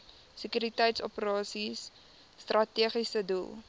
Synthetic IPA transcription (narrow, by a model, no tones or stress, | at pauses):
səkyɾitəjtsɔpəɾɑːsisː | trʔɐtiəχisədulˠ